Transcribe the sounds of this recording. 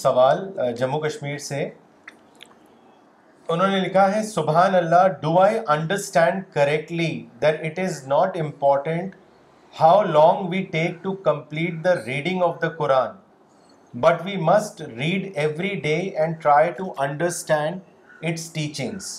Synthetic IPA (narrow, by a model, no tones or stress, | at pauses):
sɐʋaːld͡ʒɐmːukɐʃmiːɾse | ʊnɦõːnelɪkʰaɦɛsʊbɦaːnɐlːaɖuːaːɪʔɐ̃ɳɖəɾsʈɛ̃ɳɖkɐɾɛk̚ʈlid̪ɛʈɪʈɪznɔːʈɪ̃mpɔːɾʈə̃ɳʈ | haʊlɔ̃ːŋɡʋiːʈeːk̚ʈukɐ̃mpliːʈ̚d̪əɾiːɖɪ̃ŋɡɔʋd̪əkʊɾaːn | bɐʈʋiːmɐsʈɾiːɖɛʋɾiɖeːɛ̃ɳɖ̚ʈɾaːɪʈuʔɐ̃ɳɖəɾsʈɛ̃ɳɖ | ɪʈsʈiːt͡ʃɪ̃ŋz̥